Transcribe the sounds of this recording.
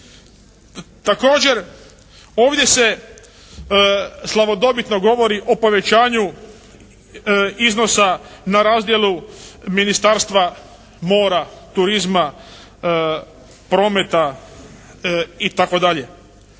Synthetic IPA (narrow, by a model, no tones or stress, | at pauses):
t̪ako̞ːd͡ʑe̞ɾ | o̞ːʋd̪je̞se̞ | slˠaʋo̞d̪o̞bit̪no̞ɡo̞ʋo̞ɾiʔo̞po̞ʋe̞t͡ɕaːɲu | izno̞sanaɾaːzd̪je̞luminist̪aːɾst̪ʋa | mo̞ːɾat̪uɾizma | pɾo̞ːme̞t̪a | it̪ako̞d̪aʎe̞